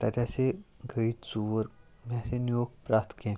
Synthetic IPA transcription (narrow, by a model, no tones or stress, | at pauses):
t̪at̪ʲaseɡʱəit͡suʋəɾ | mãsẽnijoɡ̚pɾaːt̪kẽ